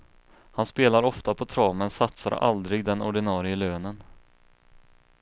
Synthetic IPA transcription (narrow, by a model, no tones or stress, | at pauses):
hanspeːlaɾɔft̪apʰɔt̪ʰɾɑːmənsat̪sa̰ɾa̰ld̪ɾɪɡd̪ɛnɔɖɪnɑːɾɪəløːnən